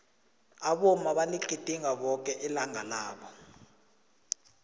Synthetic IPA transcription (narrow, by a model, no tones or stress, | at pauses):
aɓɔmaɓaniɡ͡ǃʱitʼiŋɡaɓɔk̬ʼɛʔɛlaŋʱalaːɓɔ